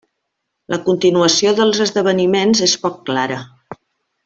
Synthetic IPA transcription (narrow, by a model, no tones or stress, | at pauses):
lʔəkunt̪inuəsioðəlˠzəzðəβ̞ənimenzespɔkːlaɾə